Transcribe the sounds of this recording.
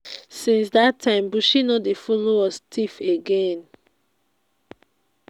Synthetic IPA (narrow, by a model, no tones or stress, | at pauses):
sĩnsdatʰːãɪ̃mbuʃinɔtdefɔloɔstʰifeɡẽn